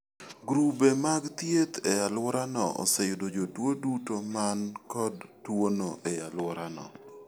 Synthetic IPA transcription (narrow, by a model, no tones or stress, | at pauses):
ɡɾubemaɡt̪jet̪ɛjalwɔɾanɔ̰ʔɔ̰sejʊdod͡ʒotwodutomankɔdːwonoʔɛjalwɔɾanɔ̰